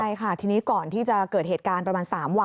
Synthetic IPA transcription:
a˧jkʰa˥˩t̪ʰiː˧niː˦˥kɔː˨˩nt̪ʰiː˥˩t͡ɕa˨˩kɤː˨˩t̪̚heː˨˩t̪̚kaː˧npɾa˧maː˧nsaː˩˦mw

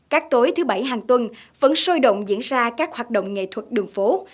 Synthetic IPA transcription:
kaː˦˥k̚t̪o˨˦jt̪ʰɨ˨˦ɓa˧˩jɦaː˨˩ŋt̪wə˧nvə̰˧˥nso˧jɗə̰˧˨wŋ͡mzḭ˧˥ənzaː˧kaː˦˥k̚hwaː˨˩t̚ɗo̰˧˨wŋ͡mŋḛ˧˨t̪ʰwə˨˩t̚ɗɨ˨˩əŋfo˨˦

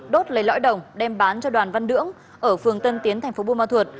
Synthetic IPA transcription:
ɗo˦˥t̚lə˨˩jlɔ̰˧˥jɗə˨˩wŋ͡mɗɛ˧mɓaː˨˦nt͡ɕɔ˧ɗwaː˨˩nva˧nnɨ̰˧˥əŋ | ʔəː˧˩fɨ˨˩əŋt̪ə˧nt̪i˨˦ənt̪ʰɛ˨˩ŋ̟fo˨˦ɓu˧maː˧˩t̪ʰwə˨˩t̚

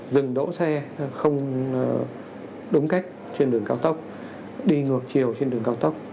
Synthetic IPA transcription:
zɨ˨˩ŋɗo̰˧˥sɛ˧xə˧wŋ͡m | ɗʊ˨˦ŋ͡mka˦˥jk̟̚ | t͡ɕe˧nɗɨ˨˩əŋkaː˧wt̪ə˦˥k͡p̚ | ɗi˧ŋɨ˨˩ək̚t͡ɕi˨˩əwt͡ɕe˧nɗɨ˨˩əŋkaː˧wt̪ə˦˥k͡p̚

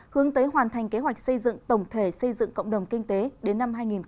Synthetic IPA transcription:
hɨ˨˦əŋt̪əː˨˦jɦwaː˨˩nt̪ʰa˨˩jŋ̟ke˨˦ɦwa˨˩jk̟̚sə˧jzɨ̰˧˨ŋt̪ə˧˩wŋ͡mt̪ʰe˧˩sə˧jzɨ̰˧˨ŋkə̰˧˨wŋ͡mɗə˨˩wŋ͡mkï˧ŋ̟t̪e˨˦ɗe˨˦nːa˧mɦaː˧jŋi˨˩n

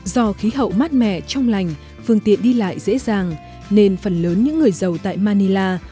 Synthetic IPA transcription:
zɔ˧xi˨˦ɦə̰˧˨wmaː˦˥t̚mɛ̰˧˨t͡ɕɔ˧wŋ͡mla˨˩jŋ̟ | fɨ˧əŋt̪ḭ˧˨ənɗi˧la̰ː˧˨jzḛ˧˥zaː˨˩ŋ | ne˧nfə˨˩nləː˨˦nɲɨ̰˧˥ŋːɨ˨˩əjzə˨˩wt̪a̰ː˧˨jmaː˧ni˧laː˧

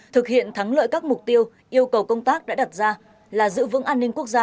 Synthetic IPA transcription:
t̪ʰɨ˨˩k̚hḭ˧˨ənt̪ʰa˨˦ŋlə̰ː˧˨jkaː˦˥k̚mʊ˨˩k͡p̚t̪i˧əw | ʔi˧əwkə˨˩wkə˧wŋ͡mt̪aː˦˥k̚ɗa̰ː˧˥a˨˩t̚zaː˧ | laː˨˩zɨ̰˧˥vɨ̰˧˥ŋʔaː˧nːï˧ŋ̟ku˦˥ək̚zaː˧

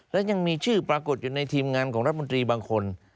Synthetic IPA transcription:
lɛ˦˥wɲa˧ŋmiː˧t͡ɕʰɯː˥˩pɾaː˧ko˨˩t̪̚juː˨˩na˧jt̪ʰiː˧mŋaː˧nkʰɔː˩˦ɾa˦˥˨o˧t̪ɾiː˧baː˧ŋkʰo˧n

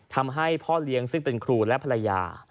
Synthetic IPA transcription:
t̪ʰa˧mɦa˥˩jpʰɔː˥˩li˦əŋsɯ˥˩ŋpe˧nkʰɾuː˧lɛ˦˥pʰa˧ɾa˧ja̰ː˧

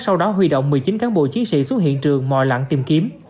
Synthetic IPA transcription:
sa˧wɗɔ˨˦ɦwi˧˩ɗo̰˧˨wŋ͡mmɨ˨˩əjt͡ɕi˨˦nkaː˨˦nɓo̰˧˨t͡ɕi˨˦nsḭ˧˨swə˦˥t̚hḭ˧˨ənt͡ɕɨ˨˩əŋmɔ̰˧˨jla̰˧˥˨nt̪i˧˩mki˨˦əm

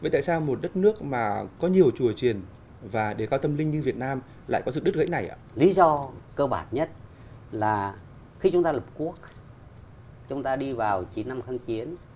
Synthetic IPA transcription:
və˧˨t̪a̰ː˧˨saː˧wmo˨˩t̚ɗə˦˥t̚nɨ˦˥ək̚maː˨˩kɔ˨˦ɲi˨˩əwt͡ɕu˨˧˩ət͡ɕwi˨˩ən | vaː˨˩ɗe˧˩kaː˧wt̪ə˧mlï˧ŋ̟ɲɨ˧vi˨˩ət̚naː˧m | la̰ː˧˨kɔ˨˦zɨ˨˩ɗt̚ɣə̰˨˧˦jna˨˩jʔa̰ː˧˨li˨˦zɔ˧kəː˧ɓaː˧˩nɲə˦˥t̚ | laː˨˩ | xi˧t͡ɕʊ˨˦ŋ͡mt̪aː˧lə˨˩p̚ku˦˥ək̚ | t͡ɕʊ˨˦ŋ͡mt̪aː˧ɗi˧vaː˨˩wt͡ɕi˨˦nːa˧mxa˧ŋt͡ɕi˨˦ən

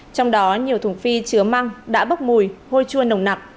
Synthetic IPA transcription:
t͡ɕɔ˧wŋ͡mɗɔ˨˦ɲi˨˩əwt̪ʰʊ˨˩ŋfi˧t͡ɕɨ˨˦əma˧ŋɗa̰ː˧˥ɓə˦˥k͡p̚mu˨˩jho˧jt͡ɕu˧ənə˨˩wŋ͡mna˨˩k̚

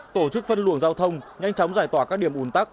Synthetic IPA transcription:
t̪o˧˩t͡ɕɨ˦˥k̚fə˧nlɨ˧˩əŋzaː˧wt̪ʰə˧wŋ͡mɲa˧jŋ̟t͡ɕɔ˨˦wŋ͡mzaː˧˩jt̪waː˧˩kaː˦˥k̚ɗi˧˩əmʔu˨˦nt̪aː˦˥k̚

